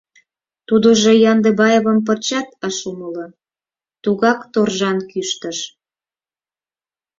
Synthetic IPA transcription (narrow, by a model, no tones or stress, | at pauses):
t̪ud̪oʒojɑnd̪ebɑjeβəmpərt͡ɕɑt̪əʃumələ | t̪uɣɑkt̪orʒɑnkyʃt̪əʃ